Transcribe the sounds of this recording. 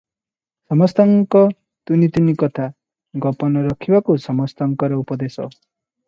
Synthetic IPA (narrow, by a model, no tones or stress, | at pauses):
sʌmʌst̪ʌŋkʌ | t̪unit̪unikʌt̪ʰa | ɡʌpʌnʌɾʌkʰibakosʌmʌst̪ʌŋkʌɾʌupʌd̪esʌ̰